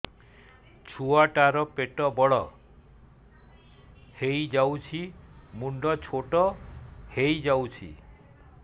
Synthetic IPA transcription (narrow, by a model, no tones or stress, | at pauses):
t͡ʃʰuaʈaɾɔpeʈɔbɔɽɔ̰ | hejd͡ʒawt͡ʃʰimuɳɖɔt͡ʃʰoʈɔhejd͡ʒawt͡ʃʰḭ